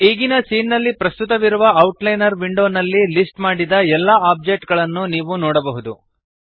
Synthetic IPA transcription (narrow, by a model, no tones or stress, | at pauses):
iːɡinɐsiːnːɐlːipɾɐst̪ut̪ɐʋiɾuʋɐɐwʈlɐjnɐɾʋiɳɖo̞ːnɐlːilisʈmaːɽid̪ɐɛlːɐaːp̚d͡ʒeːk̚ʈɡɐɭɐnːuniːʋunɔːɽɐbɐɦud̪u